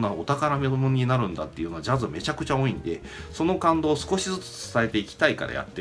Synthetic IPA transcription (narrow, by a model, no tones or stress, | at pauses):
naot̪akaɾame̞omoɲ̟inaɾɯ̟̃nd̪at̪ːe̞iɯ̟no̞ad͡ʑazɨme̞t͡ɕakɯ̟t͡ɕao̞ːĩnd̪e̞̰ | so̞no̞kãnd̪o̞ːsɨ̥ko̞ɕizɨt͡sɨ̥t͡sɨ̥saet̪e̞ikʲi̥t̪aika̰ɾa̰ja̰t̪ːe